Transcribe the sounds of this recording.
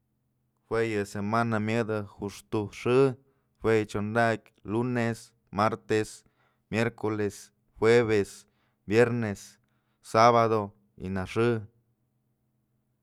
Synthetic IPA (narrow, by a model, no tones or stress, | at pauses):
xwejɨsemanamjəd̪axuʂt̪uʂɨ | fwejt͡ʃond̪akʲ | lunes | maɾt̪es | mjeɾkoles | xwʷeβes | bjeɾnesː | aβad̪o | ḭnaʂɨ